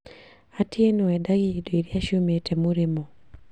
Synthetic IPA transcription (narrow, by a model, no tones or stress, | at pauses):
atjenoɛdaɡidoiɾjaʃometemoɾemɔ